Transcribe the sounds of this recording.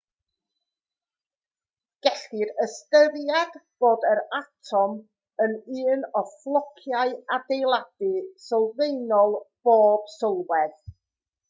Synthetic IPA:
ɡ̥ɛɬɪɾəstəðjadb̥oːdəɾatʰɔm | ənɨːnɔflˠɔkʰjaɨadejlˠad̥ɨsɔlˠvejnɔlˠb̥oːb̥sɔlˠwɛð

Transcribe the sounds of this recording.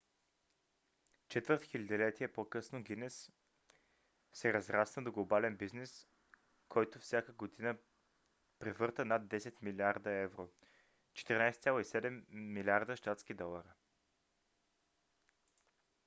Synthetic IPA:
t͡ʃɛt̪vəɾt̪xilʲad̪ilɛt̪iɛpokɤsnoɡ̟inɛs | sɛɾɐzɾasnəd̪oɡlˠobalɛnbiznɛs | kʰɔjt̪ofsʲakəɡod̪inə | pɾɛvɤɾt̪ənad̪ːɛsɛt̪milʲiaɾd̪əɛvɾo | t͡ʃɛ̥t̪ɛɾinajst̪sʲjalˠoisɛd̪ɛmːilʲaɾd̪əʃt̪at̪sk̟id̪ɔlˠəɾi

